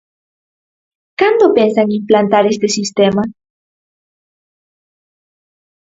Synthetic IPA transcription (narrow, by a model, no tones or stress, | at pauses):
kand̪opensaŋimplant̪aɾest̪esist̪ema